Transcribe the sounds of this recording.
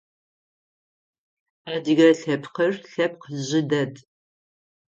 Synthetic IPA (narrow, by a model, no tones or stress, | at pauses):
aːdɨɣɐɬɐpʰqərɬɐp̚qəʑɪdɐd